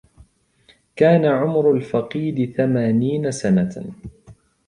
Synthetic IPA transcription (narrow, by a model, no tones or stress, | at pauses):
kaːnaʕʊmɾʊlfɑqiːd̪ɪθamaːniːnasana